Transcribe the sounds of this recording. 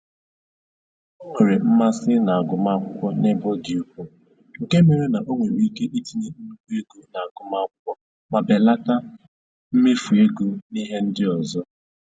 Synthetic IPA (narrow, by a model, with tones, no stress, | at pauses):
o˦ŋʷe˨ɾe˨m̩˦ma˦sɪ˦na˨a˨ɡʊ˨ma˦kʷʊ˦kʷɔ˦ne˦bo˦ɡi˨u˦k̚u˦ | ŋ̩˨ke˦me˨ɾe˦na˨ʔo˦ŋʷe˨ɾi˦ke˦ʔi˦ti˨ni˦m̩˦u˦be˦ɡu˦na˨a˨ɡʊ˨ma˦kʷʊ˦kʷɔ˦ | ma˨be˨la˦ta˦ | m̩˦me˦fu˨e˦ɡu˦ni˦ɦe˦n̩˦dɪ˦ɔ˨zɔ˦